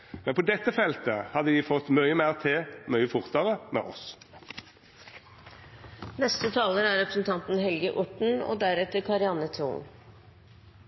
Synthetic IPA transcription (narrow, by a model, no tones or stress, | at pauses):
mɛnpʰɔd̪ɛt̪ːəfɛlt̪əhɑd̪əʋ̪ɪfɔt̪ːmœʏəmeːʁt̪ʰeːmœʏəfʊʁt̪ɑʁəmḛːʔɔs | nɛst̪ət̪ʰɑːləɾæɾɾɛpɾə̥sn̩t̪ʰɑnt̪n̩hɛlɡəʔʊʈɳ̩o̰d̪æɾɛt̪əɾkʰɑɾɪɑnət̪ʰɾṵːn